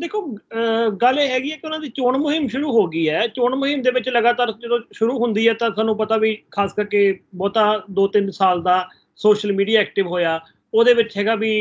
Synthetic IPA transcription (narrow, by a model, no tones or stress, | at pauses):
d̪eːkʰoː | ɡəlɛːɦɛːɡiːɛːkɪʊnãːd̪iːt͡ʃoːɳmʊɦɪmʃʊɾuːɦoːɡiːɛːt͡ʃoːɳmʊɦɪmd̪eːʋɪt͡ʃləɡaːt̪aːɾd͡ʒəd̪õːʃʊɾuːɦʊnd̪iːɛːt̪ãːsaːnũːpət̪aːʋiːkʰaːskəɾkeːbɔːt̪ãːd̪oːt̪ɪnsaːld̪aː | soːʃəlmiːɖijaːɛːk̚ʈɪʋɦoːjaː | oːd̪eːʋɪt͡ʃɦɛːɡaːbiː